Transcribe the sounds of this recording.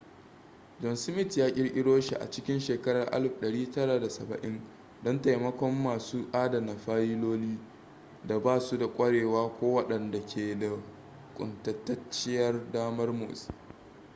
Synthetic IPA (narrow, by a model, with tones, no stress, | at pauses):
d͡ʒɔ˨nsɪ˦mɪ˦tjaː˦kʲʼɪ˦ɽʔʲɪ˦ɽoː˦ʃḭ˨ʔa̰˨t͡ʃɪ˦kʲɪ˦nʃeː˨kɐ˦ɽɐ˨rʔa̰˦lɸɗɐ˨ɽiː˦tɐ˦ɽaː˨da˨sɐ˨bɐ̰˨ʔɪ˦n | dɔ˦nta˨jmɐ˦kʷɔ˦mːaː˨suː˦ʔaː˦da˨na˨ɸaː˦jiː˦loː˦liː˦ | da˨baː˦su˦da˨kʷʼɐ˦ɽeː˨waː˦kʷoː˦wɐ˦ɗɐ˨nda˨kʲʰeː˨da˨ | kʷʼʊ̰˨ntɐ˨tːɐ˦t͡ʃːɪ˦jɐ˦rdaː˦mɐ˦rmʊ̰ː˨s